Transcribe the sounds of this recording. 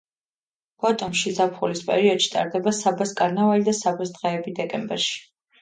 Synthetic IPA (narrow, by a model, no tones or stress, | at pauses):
b̥ɔt̪ʼɔmʃizapʰχulispʼɛ̰ɾiɔd̪̥ʃi̥t̪ʼa̰ɾd̪ɛbasabaskʼaɾnavalid̪asabasd̪ʁɛɛbid̪ɛkʼɛmbɛɾʃi̥